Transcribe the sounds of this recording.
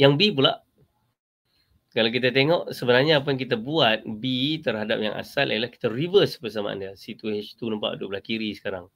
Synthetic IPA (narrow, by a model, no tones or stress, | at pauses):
jaŋbipula̰ʔ | kalak̬it̪at̪eŋɔʔsəbənarɲaːp̬ajaŋk̬it̪abuat̪̚bit̪ərɦada̰p̚ja̰ŋʔa̰salʔiəlahki̥t̪arivəspərs̬ama̰a̰ndiəsit̪uhɛt͡ʃt̪unəmpa̰ʔduʔbəlahkiɾisə̥kaɾaŋ